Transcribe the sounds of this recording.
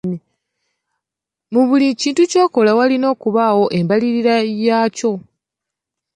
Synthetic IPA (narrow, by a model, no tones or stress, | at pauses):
i | muβuliciːntuco̞ːko̞lawalino̞ːkuβaːwo̞ʔe̞mbaliɾiɾajaːco̞